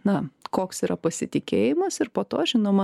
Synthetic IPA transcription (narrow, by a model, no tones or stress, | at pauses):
nɐkoːksiːɾɐpɐsʲɪt̪ʲɪkʲeːjɪmɐsɪrpoːt̪oːʒʲɪnoːmɐ